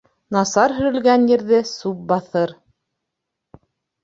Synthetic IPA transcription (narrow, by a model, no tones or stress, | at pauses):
nɑsɑɾɦɵ̆ɾɘ̆lɡænjɘ̆ɾðɘsup̚bɑθɤɾ